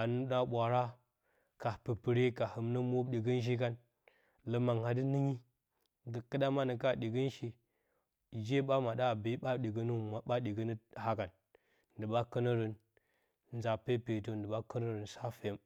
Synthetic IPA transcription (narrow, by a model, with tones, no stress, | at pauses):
a˨nu˦ɗa˦ɓʷa˨ɾa˦ | ka˨pɨ˨pɨ˨ɾe˦ka˨hə˨mnə˦mo˦bɗi˨ɡə˦n˦ʃ̬i˦ka˦n | lə˦ma˨ŋha˨dɨ˦ni˦ɲi˦ | ɡə˨kə˦ɗa˦ma˦nə˨ka˦ɗi˨ɡə˦nʃi˦ | d͡ʒe˦ɓa˦ma˨ɗa˦˨bi˨˦ɓa˦ɗi˨ɡə˦nu˦ma˨ɓa˦ɗi˨ɡə˦nə˦ha˦ka˨n | n˨dɨ˨ɓa˦kə˦nə˦ɾə˨n | n˨za˨pe˦pe˨to˦n˨də˨ɓa˦kə˦nə˦ɾə˨nsa˦fe˨˦m